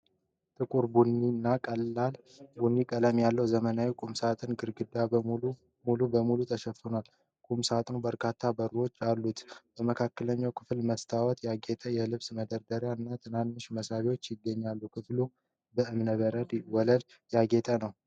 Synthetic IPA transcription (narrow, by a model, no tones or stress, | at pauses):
t̪ʰʼɨkʼuɾbunːinːakʼəlːal | bunːikʼələmjalːəwzəmənawikʼumsat̪ʼɨnɡɨɾɡɨd̪a | mulubəmulut̪ʰəʃɛfunal | kʼumsat̪ʼɨnbəɾkʰat̪ʰːabəɾo̞t͡ʃːalːut̪bəməkʰakːələɲːawkʰɨflməst̪ʰawɔt̪jaɡet̪ʼəjɛlɨβsməd̪əɾd̪əɾjaɨnːat̪ʰɨnanːɨʃməsaβiwot͡ʃːjɪɡːəɲːalːukʰɨflu | bəʔɨmnəβəɾəd̪wɔləl | jaɡet̪ʼənəw